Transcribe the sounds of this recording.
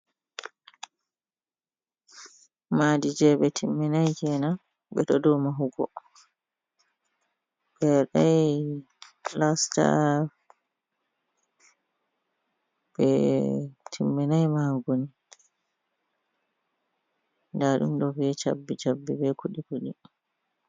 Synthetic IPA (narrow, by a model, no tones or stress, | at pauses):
madid͡ʒɛɓɛtʰimːɛnajkɛna | ɓɛtɔdɔwmaɦuɡɔ̰ | bɛɗaj | lasta̰ | ɓɛ̰ | tʰimːɛnajmaɡoni | ndaɗṵmɗɔviɛt͡ʃa̰bːit͡ʃabːɛbɛkʰuɗikuɗi